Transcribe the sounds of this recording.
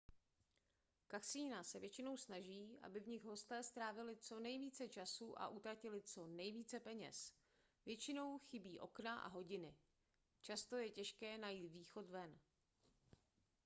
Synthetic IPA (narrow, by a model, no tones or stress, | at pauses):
kaksiːnasɛvjɛt͡ʃɪno̞wsnaʒiːʔa̰bɪvɲɪɣɦo̞st̪ɛːst̪ɾaːvɪlɪt͡so̞nɛjviːt͡sɛt͡ʃasuʔa̰ʔut̪ɾacɪlɪt͡so̞nɛjviːt͡sɛpɛɲɛ̰s | vjɛt͡ʃɪno̞wxɪbiːʔo̞̰knaʔa̰ɦo̞ɟɪnɪ | t͡ʃast̪o̞jɛcɛʃkɛːnajiːt̪viːxo̞t̪vɛn